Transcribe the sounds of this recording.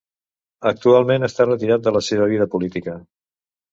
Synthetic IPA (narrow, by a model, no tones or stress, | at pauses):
ək̚t̪ualˠmenəst̪arət̪iɾat̪̚d̪ələseβ̞əβ̞iðəpulit̪ikə